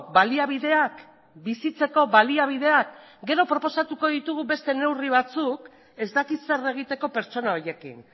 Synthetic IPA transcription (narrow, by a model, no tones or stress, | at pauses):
βaliaβ̞iðe̞ak | bisit͡se̞ko̞βaliaβ̞ið̞e̞akɡe̞ɾo̞pɾo̞po̞sat̪uko̞ðit̪uɣ̞uβe̞st̪e̞ne̞wriβ̞at͡suk | e̞zd̪akit̪se̞re̞ɣ̞it̪e̞ko̞peɾt͡ʃo̞nao̞je̞kḭn